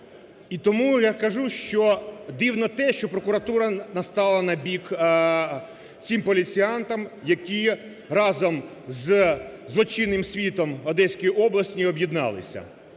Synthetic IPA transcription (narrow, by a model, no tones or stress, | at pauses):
it̪ɔmujakɐʒuʃt͡ʃɔd̪iwnɔt̪ɛʃt͡ʃɔpɾɔkʊɾɐt̪uɾɐnɐst̪ɑlˠɐnɐbʲik | t͡sʲimpɔlʲit͡sʲiɑnt̪ɐmjɐkʲi | rɑzɔm | zzlˠɔt͡ʃɪnːɪmsʲʋʲit̪ɔmɔd̪ɛsʲkɔjiʔɔblˠɐsʲtʲiɔbjid̪nɑ̰lˠɪ̰sʲɐ̰